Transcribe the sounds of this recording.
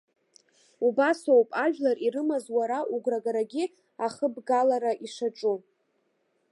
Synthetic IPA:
ubasowpʼaʒᶣlariɾɨmazwaɾaʔuɡʷraɡaɾaɡʲi | aχəbɡalaɾaʔiʂaʈ͡ʂʼu

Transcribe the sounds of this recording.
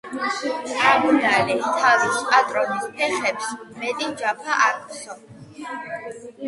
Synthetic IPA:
amunalit̪ʰavispʼat̪ʼɾɔnispʰɛχɛpsmɛt̪ʼid͡ʒapʰaʔaɾksɔ

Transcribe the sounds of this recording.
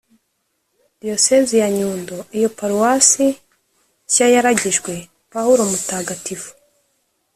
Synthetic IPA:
d̥io̞sezijaɲuːndoijo̞paɾuwasi | cajaɾaɟiʒɡwe̞ | pahuɾo̞mutaːɡatifu̥

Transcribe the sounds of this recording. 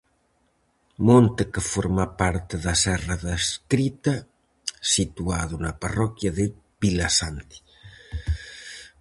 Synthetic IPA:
mont̪ekefoɾmapaɾt̪eðasɛraðaskɾit̪ɐ | sit̪uaðunaparɔkjaðe | βilasant̪i̥

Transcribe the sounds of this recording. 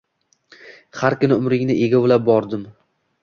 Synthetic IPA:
haɾkʰʲʊnɪʊmɾɪŋnɪʔe̞ɡʲabʊlap̚bɒɾd̪ɪm

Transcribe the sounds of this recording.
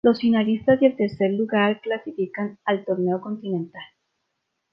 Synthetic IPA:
lo̞sinaɾist̪azde̞lt̪e̞ɾse̞ɾluɣaɾklasifikanalt̪o̞ɾne̞oko̞nt̪inẽnt̪al

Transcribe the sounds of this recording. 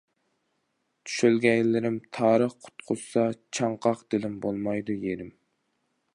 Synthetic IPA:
t̪ʰy̥ʃølɡʲɛjlɪɾɪmt̪ʰɑːɾəχqʰʊ̥t̪qʰʊzsɑt͡ʃʰɑɴqʰɑqd̪̥ɪlɪmbolˠmɑjd̪ujeɾɪm

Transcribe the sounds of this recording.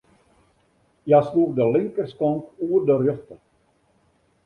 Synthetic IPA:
jasluəxdəlɪŋkərskɔntuərdərjøxtə

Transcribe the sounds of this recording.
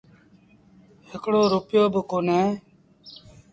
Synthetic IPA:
hɪkɽoːɾʊpjoːbəkoːneː

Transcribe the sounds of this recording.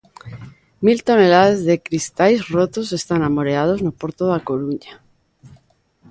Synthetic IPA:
milt̪o̞ne̞laðezðe̞kɾist̪ajsrot̪ose̞st̪anamoɾeað̞o̞znopo̞ɾt̪oðako̞ɾuɲa

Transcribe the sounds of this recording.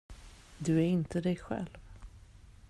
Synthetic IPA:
d̪ɵæɾɪnt̪əd̪ɛjɧɛ̰lv

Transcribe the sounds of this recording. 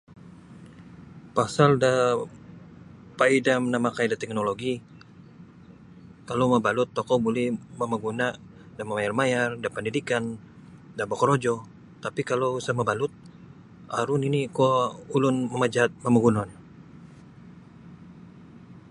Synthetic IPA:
pasalda | paidamənamakaidat̪ɛk̚noloɡi | kalowmabalʊt̪ːɔkɔbulɛhmamaɡuna | damamajarmajardapəndidikan | dabakɔɾod͡ʒɔ | t̪apikalowsamabalʊt̪̚ | ʔaɾʊninikɔulʊnməmad͡ʒat̪̚mamaɡunɔn

